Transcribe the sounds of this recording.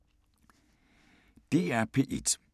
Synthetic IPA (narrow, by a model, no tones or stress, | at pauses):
d̥e̝̰æɐpʰe̝̰ʔed̥